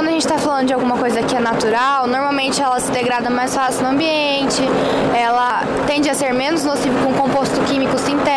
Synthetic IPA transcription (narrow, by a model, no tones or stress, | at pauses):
ɐ̃d̪ʊɐʒẽnt͡ʃɪt̪afalɐ̃nd̪ʊd͡ʒawɡũmɐkojzɐkɪɛnat̪uɾawnoɾmawmẽnt͡ʃɪɛlɐsɪd̪eɡɾad̪ɐmajsfasiwnʊɐ̃mbiẽnt͡ʃɪ | ɛlɐ | t̪ẽnd͡ʒɪaseɾmẽnʊznosivewkõũkõmpost̪ʊkĩmikʊsĩnt̪ɛ